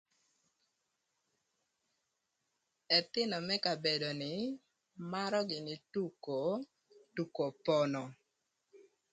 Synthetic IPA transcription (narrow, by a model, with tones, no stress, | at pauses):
ɛ˨t̪ɪ˦nɔ˨mɛ˦ka˨be˨do˨nɪ˨ | ma˦ɾɔ˦ɡɪ˨nɪ˨tu˦ko˨ | tu˨ko˨pɔ˨nɔ˨